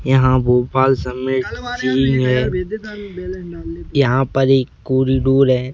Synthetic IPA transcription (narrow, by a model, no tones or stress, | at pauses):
jɐɦãːboːpaːlsəmeʈt͡ʃiːŋɦɛː | jɐɦãːpəɾekːoːɾiːɖoːɾɦɛː